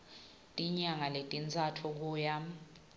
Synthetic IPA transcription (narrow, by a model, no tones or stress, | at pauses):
tʼiɲaŋaletʼint͡sʼatʰɔk̬uːja